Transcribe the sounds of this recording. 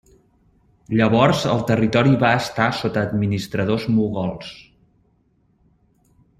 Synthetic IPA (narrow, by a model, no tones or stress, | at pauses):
ʎəβɔrzə̰lˠt̪ərit̪ɔɾiβaəst̪asot̪əːd̪minist̪ɾəðozmuɣɔlˠs